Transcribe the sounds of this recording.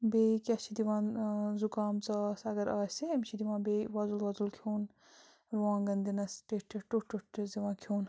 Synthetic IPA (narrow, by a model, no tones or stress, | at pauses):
beːkʲɐt͡ʃʰid̪iʋãːnzukaːmt͡saːsɐɡɐɾaːseɐmt͡ʃʰid̪iʋãːnbeːʋɐzulʋɐzulkʰuːn | ɾuãːnɡɐnd̪inɐsʈeʈʰːɐʈuʈːuʈːziʋãːkʰuːn